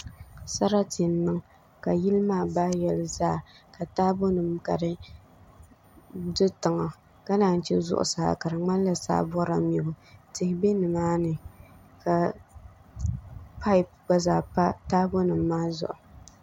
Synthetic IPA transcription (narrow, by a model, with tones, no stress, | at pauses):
sa˦ɾa˦tɪ˨n˦nːɨ˦ŋ | ka˨ji˦lɨ˦maː˦˨baː˦jɛ˨lzaː˦˨ka˨taː˦bo˦nɨ˨mka˨ɾɨ˦ | dɨ˦tɨ˨ŋa˨ | ka˦naː˨n̩˦t͡ʃɛ˦zʊ̰˦ʔʊ̰˨sa̰ː˨ka˨ɾɨ˨ŋ͡ma˦n˦la˨sa̰ː˦bɔ˦ɾa̰˨mi˨bʊ˦tɪ˨hɪ˨be˦nɨ˨maː˦nɨ˨ | ka˨ | pʰa˦ɪ˨p̚ɡ͡ba˦zaː˨pa˦taː˦bo˦nɨ˨mːaː˦zʊ̰˨ʔʊ˨